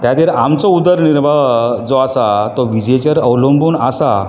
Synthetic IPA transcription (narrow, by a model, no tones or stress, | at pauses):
t̪jad̪iːɾamt͡sɔud̪əɾniɾbad͡zɔasat̪ɔʋid͡ʑet͡ɕəɾəwlombuːnasa